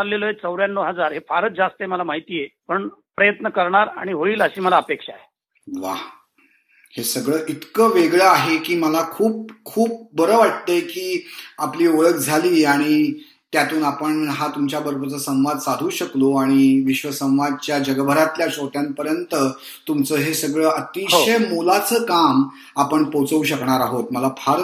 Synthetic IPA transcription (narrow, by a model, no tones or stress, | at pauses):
aɾleləɦet͡səwɾjanːoɦəd͡zaɾɦefaɾət͡sd͡zast̪əeməlamaɦit̪iːjepəɳpɾəjət̪nəkəɾɳaɾa̰ɽ̃iɦoiːləɕiːməlaəpekʂae | ʋa̰ | hesəɡɭəːʔit̪kəʋeɡɭəaɦekiːməlakʰuːp̚kʰuːp̚bəɾəːʋaʈ̚t̪əkiːapliːoɭəkd͡zʱaliːaɽ̃i | t̪jat̪uːnapəɳɦat̪umt͡ɕjabəɾbʱt͡səsə̃w̃ʋad̪sad̪ʱuːɕəkloaɽ̃iʋiɕʋəsə̃w̃ʋad̪̚t͡ɕjad͡ʑəɡəbʱəɾat̪ljaɕot̪jãmpəɾjənt̪ə | t̪umt͡səːɦesəɡɭəːət̪iɕɦəjmolat͡səːkam | apəɳpot͡səuɕəkɳaɾaɦot̪̚məlapʰaɾ